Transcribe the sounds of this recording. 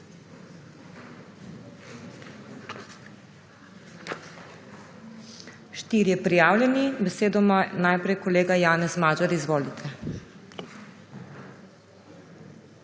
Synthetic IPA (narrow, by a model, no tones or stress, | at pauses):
ʃt̪iːɾjɛpɾijaːwljɛnibɛseːd̪ɔmɔnajpɾɛjkɔleːɡajaːnɛsmaːd͡ʒaɾizʋoːlit̪ʰɛ